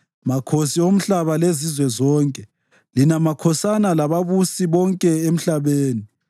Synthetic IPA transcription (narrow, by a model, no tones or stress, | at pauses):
makʰosiom̩ɬaβalezizwɛzɔːŋkʼɛ | linamakʰɔsanalaβaβusiβɔŋkʼɛem̩ɬaβeːni